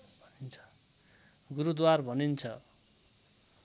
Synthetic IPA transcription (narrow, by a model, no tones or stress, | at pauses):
bʱnint͡sʰʌ̥ | ɡuɾud̪warbʱʌnint͡sʰʌ